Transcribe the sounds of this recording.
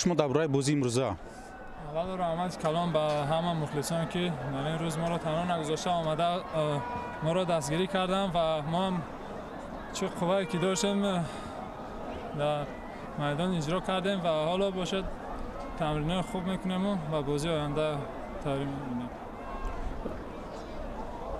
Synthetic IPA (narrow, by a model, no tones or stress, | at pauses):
ʃumɔd̪abuɾaibɔziːmɾuza | avalɔɾahmat̪ʰi̥kʰalɔnbaɦamamuχlisɔnkʰid̪aɾinɾuzmɔɾɔt̪ʰanɔnaɡuzɔʃt̪aɔmad̪a | mɔɾɔd̪ast̪ɡiɾikʰaɾd̪anvamɔham | t͡ʃʰiqʰuvaekid̪ɔʃt̪em | d̪aɾ | majd̪ɔnid͡ʒɾɔkʰaɾd̪emvahɔlɔbɔʃed̪̚ | t̪ʰamɾinɔiχubme̞kʰune̞mubabɔziɔjand̪a | t̪ʰavɾimemunem